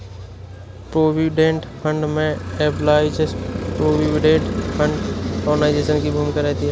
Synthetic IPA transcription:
pɾoːʋiɖẽɳʈfʰə̃ɳɖmẽeplaːɪd͡ʒespɾoːʋiɪɖẽːɳʈfʰə̃ɳɖonaːɪd͡ʒesənkibʱuːmkəɾɛɦt̪iɦɛ

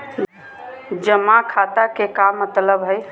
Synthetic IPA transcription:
d͡ʒəmakʰat̪akekamːət̪ləbɦəj

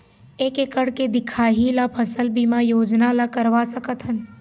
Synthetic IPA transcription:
eːkekəɽked̪ɪkʰaːɦilapʰəsəlbimajoːd͡ʒnalakəɾʋasəkət̪ɦən

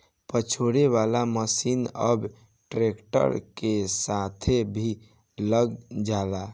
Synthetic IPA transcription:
pət͡ʃʰoɽeβalaməsinəb | ʈɾekʈə̰ɾkesat̪ʰebʱi | ləɡd͡ʒala

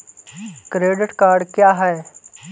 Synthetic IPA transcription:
kɾeːɖɪʈkaːɾɖkjaːɦɛː

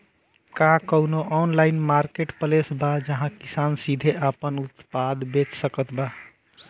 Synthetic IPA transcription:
kakəunoʔɔnlaɪnmaɾkeʈpəlesbad͡ʒəɦãkisansid̪ʱeʔapənut̪pad̪bet͡ʃsəkət̪ba

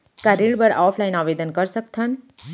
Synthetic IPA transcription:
kaɾiɽbəɾaːpʰlajnaʋed̪ənkəɾsək̚t̪ʰən

